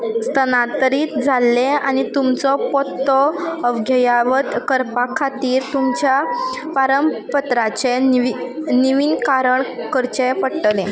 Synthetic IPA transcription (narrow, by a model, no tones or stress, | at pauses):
st̪ʰənat̪əɾiːt̪d͡zʱalːẽañit̪umt͡sɔpɔt̪ːɔəʋɡʱəjaʋət̪kəɾpakʰːat̪iːɾt̪umt͡ɕjapaɾəmpət̪ɾat͡ɕe | niʋiːnkaɾəɳkəɾt͡ɕepəɽʈlẽ